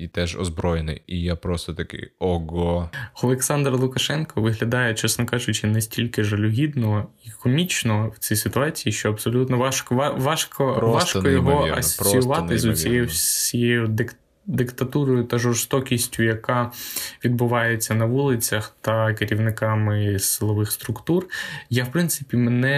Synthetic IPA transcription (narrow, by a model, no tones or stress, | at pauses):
it̪ɛʒɔ̰zbɾɔjenɪ̰jijapɾɔst̪ɔt̪ɐkɪ̰ɔɡɔɔlˠeksɑnd̪ɾɐlˠʊkɐʃɛnkɔʋɪɦlʲɐd̪ɑjɛt͡ʃɛsnɔkɑʒʊt͡ʃɪnɛsʲtʲilʲkɪʒɐlʲʊɦʲid̪nɔɦɔikʰɔmʲit͡ʃnɔwt͡sʲisɪt̪ʊɑt͡sʲijiʃt͡ʃɔɐbsɔlʲut̪nɔɑʃkɔʋɑʋɑʃkɔʋɑʃkɔjɔɦɔɐ̰sɔ̥t͡sʲijʊʋɑt̪ɪzʊt͡sʲijɛjʊjɛjʊd̪ɪk | d̪ɪkt̪ɐt̪uɾɔjʊt̪ɐʒɔrst̪ɔkʲisʲtʲʊjɐkɑʋʲid̪̚bʊʋɑjet͡sʲːɐnɐʋulˠɪt͡sʲɐxt̪ɐkeɾʲiʋnɪkɑmɪsɪlˠɔʋɪxst̪ɾʊkt̪urjawpɾɪnt̪sɪpʲimenɛ